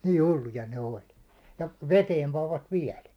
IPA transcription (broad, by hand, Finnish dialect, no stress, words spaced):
niː hulːujɑ ne olʲ jɑ ʋeteːm pɑʋːɑt ʋiɛl